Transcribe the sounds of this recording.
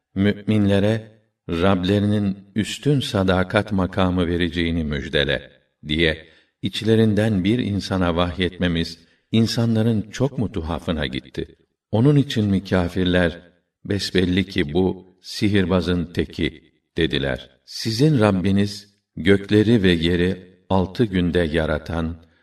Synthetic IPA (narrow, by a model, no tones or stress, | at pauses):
myʔminlʲe̞ɾɛ | ɾablʲe̞ɾininyst̪ʰynsad̪aːkʰat̪makʰaːmɯve̞ɾed͡ʒejinimyd͡ʒd̪e̞̰lʲɛ̰ | d̪ijɛ | it͡ʃlʲe̞ɾind̪ænbiɾḭnsanavaxjɛt̪me̞miz̥ | insanlˠaɾɯnt͡ʃʰo̞kmut̪ʰuɦa̰fɯna̰ɟḭt̪ʰːi | o̞nunit͡ʃʰinmycʰaːfiɾlʲæɾ | bɛsbɛlʲːicʰibu | siɦiɾbazɯnt̪ʰecʰi | d̪̥e̞d̪ilʲæ̰ɾ̥ | sizinɾabːiniz | ɟø̞clʲe̞ɾivɛje̞ɾi | alˠt̪ʰɯɟynd̪ɛjaɾat̪ʰan